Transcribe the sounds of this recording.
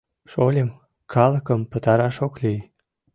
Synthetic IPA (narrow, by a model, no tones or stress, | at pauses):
ʃolʲəm | kʰɑləkəmpət̪ɑɾɑʃoklʲij